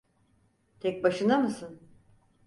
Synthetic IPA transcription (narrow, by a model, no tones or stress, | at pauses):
t̪ʰɛc̚baʃɯnd̪amɯsɯn